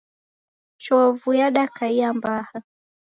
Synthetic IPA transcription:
t͡ʃɔvujaɗakaijambaha

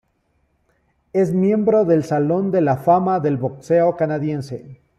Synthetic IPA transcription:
e̞zmje̞mbɾo̞ðe̞lsalo̞nd̪e̞lafamaðe̞lβo̞kse̞o̞kanaðje̞nse̞

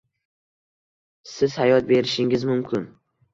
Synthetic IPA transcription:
sɪz̥hajɒt̪̚be̞ɾɪʃɪŋɪzmʊmkʲʰɪn

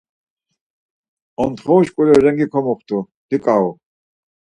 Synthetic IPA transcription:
ɔnt̪χɔwʃkʼulɛɾɛŋɡikʰɔmɔχt̪ʰu | d̪̥ikʼau

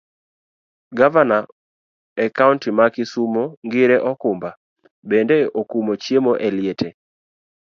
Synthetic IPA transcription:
ɡavana | ɛkaʊntimakɪsumoŋɡɪɾɛʔɔkʊmba | bendeokumot͡ʃjemoʔɛlɪetʰe

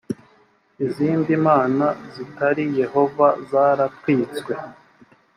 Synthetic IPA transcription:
iziːndimaːnazitaɾije̞ho̞vazaːɾakwiːt͡skwe̞

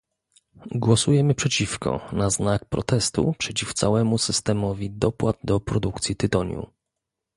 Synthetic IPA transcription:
ɡwɔsujɛmɘpʂɛt͡ɕifkɔ̰naznak̚pɾɔ̰t̪ɛst̪ṵpʂɛt͡ɕift̪sawɛmusɘst̪ɛmɔvʲid̪ɔpwad̪̚d̪ɔpɾɔd̪ukt̪sʲjit̪ɘt̪ɔɲjṵ

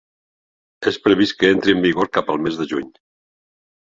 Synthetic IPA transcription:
espɾəβ̞iskəent̪ɾiəmbiɣoɾkapəlˠmezðəʒuɲ

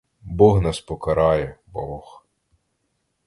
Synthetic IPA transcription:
bɔɣnɑspɔkɐɾɑjɛbɔx

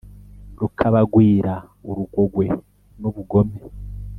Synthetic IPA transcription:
ɾukʰaβaɡwiːɾauɾuɡo̞ɡwe̞ | noβuɡo̞me

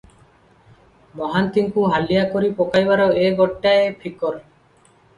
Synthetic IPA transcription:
mɔɦant̪iŋkuɦalijakɔɾipɔkajbaɾɔeɡɔʈːaepʰikɔɾ

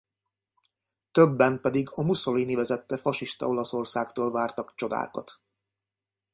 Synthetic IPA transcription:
t̪øbːɛnpɛd̪iɡɒmuso̞liːnivɛzɛt̪ːɛfɒʃiʃt̪ɒ̰o̞lɒso̞rsaːkt̪oːlvaːrt̪ɒkt͡ʃo̞d̪a̰ːkɒ̰t̪

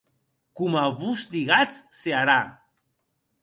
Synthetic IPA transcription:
kumavusd̪iɣat͡sseaɾa

